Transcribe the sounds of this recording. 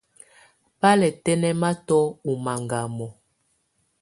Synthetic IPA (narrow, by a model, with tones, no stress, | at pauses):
pa˦lɛ˨tɛ˦nɛ˦ma˦tɔ˦u˨ma˨ŋɡa˨mɔ˨